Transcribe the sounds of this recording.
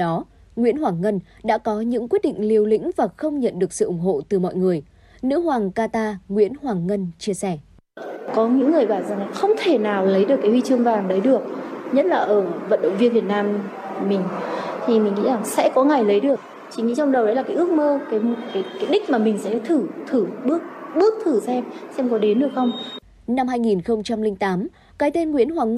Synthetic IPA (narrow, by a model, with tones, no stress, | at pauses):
ɗɔ˨˦ | ŋwi˧˥ənɦwaː˨˩ŋŋə˧n | ɗa̰ː˧˥kɔ˨˦ɲɨ̰˧˥ŋkwi˦˥t̚ɗḭ˧˨ŋ̟li˧əwlḭ̈˧˥ŋ̟vaː˨˩xə˧wŋ͡mɲə̰˧˨nɗɨ˨˩ək̚sɨ̰˧ʔʊ˧˩ŋ͡mɦo̰˧˨t̪ɨ˨˩mɔ̰˧˨jŋɨ˨˩əj | nɨ̰˧˥hwaː˨˩ŋkaː˧t̪aː˧ŋwḭ˧˥ənhwaː˨˩ŋŋə˧nt͡ɕi˧əsɛ˧˩ | kɔ˨˦ɲɨ̰˧˥ŋːɨ˨˩əjɓaː˧˩nza˨˩ŋlaː˨˩xə˧wŋ͡mt̪ʰe˧˩naː˨˩wlə˨˦jɗɨ˨˩əkːhwi˧t͡ɕɨ˧əŋvaː˨˩ŋɗə˨˦jɗɨ˨˩ək̚ɲə˦˥t̚laː˨˩ʔəː˧˩və̰˧˨nɗə̰˧˨wŋ͡mvi˧ənvi˨˩ət̚naː˧m | mï˨˩ŋ̟t̪ʰi˨˩mï˨˩ŋ̟ŋḭ˧˥za˨˩ŋsɛ̰˧˥kɔ˨˦ŋa˨˩jlə˨˦jɗɨ˨˩ək̚ | t͡ɕi˨˩˦ŋḭ˧˥t͡ɕɔ˧ŋ͡mɗə˨˩wɗə˨˦jlaː˨˩aː˨˦ʔɨ˦˥ək̚məː˧kaː˨˦jkaː˨˦jkaː˨˦jɗï˦˥k̟̚maː˨˩mï˨˩ŋ̟sɛ̰˧˥t̪ʰɨ˧˩t̪ʰɨ˧˩ɓɨ˦˥ək̚ɓɨ˦˥ək̚t̪ʰɨ˧˩sɛ˧msɛ˧mkɔ˨˦ɗe˨˦nɗɨ˨˩ək̚xə˧wŋ͡m | na˧mhaː˧jŋi˨˩nxə˧wŋ͡mt͡ɕa˧mlï˧ŋ̟t̪aː˨˦m | kaː˨˦jt̪e˧nŋwḭ˧˥ənhwaː˨˩ŋ